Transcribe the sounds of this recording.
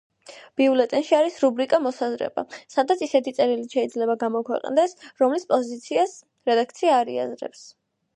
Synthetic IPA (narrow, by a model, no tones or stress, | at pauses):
b̥iulɛt̪ʼɛnʃiaɾisɾubɾikʼamɔsazɾɛ̰ba̰sad̪at̪sʰisɛt̪ʰit̪sʼɛɾiliʃɛid̪zlɛbaɡamɔkʰwɛ̰qʼnd̪ɛsɾɔmlispʼɔzit̪sʰias | ɾɛd̪ak̚ʰt̪sʰiaːɾḭa̰zɾɛ̰ps